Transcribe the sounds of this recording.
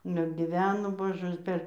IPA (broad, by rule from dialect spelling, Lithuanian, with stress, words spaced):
ˈnʊ ɪr ɡʲɪˈʋʲæːnoː ˈboːʒɜs pʲɛr